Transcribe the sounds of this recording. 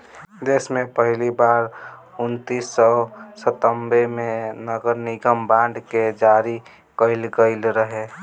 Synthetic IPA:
d̪eːsmẽpəɦɪlibaɾ | ʊnt̪isːəsət̪əmbemẽnəɡəɾniɡəmbãɳɖked͡ʒaɾi | kəɪlɡəɪlɾəɦe

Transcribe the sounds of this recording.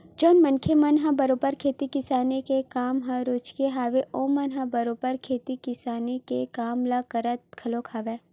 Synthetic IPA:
d͡ʒoːnmɐnkʰemɐnɦabɐɾoːbəɾkʰeːt̪ikɪsaːnekekaːmɦãɾot͡ʃkeɦaːʋeʔõːmɐnɦabɐɾoːbəɾkʰeːt̪ikɪsaːnekekaːmlakəɾət̪̚kʰɐlokʰaːʋeː

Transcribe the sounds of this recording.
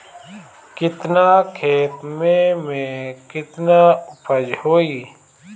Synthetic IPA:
kɪt̪naːkʰeːt̪mẽmẽkɪt̪naːʊpəd͡ʒhoːiː

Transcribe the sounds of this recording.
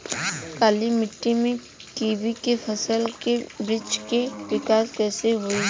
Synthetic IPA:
kaːlimɪʈːimẽ | kiːʋikepʰɐsəlkebɾɪt͡ʃkeʋɪkaːskɛːseɦʊiː

